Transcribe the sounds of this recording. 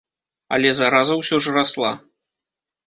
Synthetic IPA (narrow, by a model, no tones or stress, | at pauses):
ɐ̰lʲɛzaɾazɐwsʲɔʐɐraslˠa̰